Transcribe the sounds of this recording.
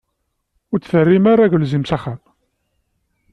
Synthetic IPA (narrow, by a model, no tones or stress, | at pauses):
ʊɾt͡sːfərːimaɾˤaʝəlzimsaχæm